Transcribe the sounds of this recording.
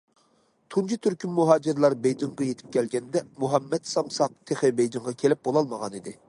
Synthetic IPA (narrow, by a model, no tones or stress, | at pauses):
t̪ʰunt͡ʃʰit̪ʰyɾkʲʰynmuɦɑːd͡ʒɪɾlˠɑɾbejd̪ɨŋʁɑjet̪ʰɪ̥p̚kʲɛlɡʲɛnd̪ɛmuɦɑmːɛt̪sɑmsɑq̚t̪ʰeχɪbejd̪ɨŋʁɑkʲʰelɪp̚bolˠɑlˠməʁɑnid̪ɪ